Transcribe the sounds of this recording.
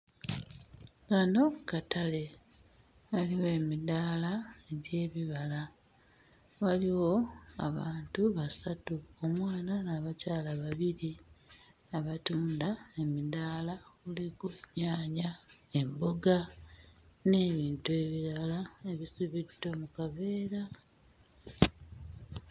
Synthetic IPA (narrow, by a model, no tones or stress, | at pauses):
ɡano̞katale̞ | aliwe̞ːmidaːlaeɟe̞ːβiβala | waliwo̞a̰βaːntuβasatuomwaːnanaβacaːlaβaβiɾi | aβatuːndae̞midaːlakuliɡuɲaːɲae̞mbo̞ɡa | ne̞ːβiːntue̞βiɾalae̞βisuβidːo̞mukaβe̞ːɾa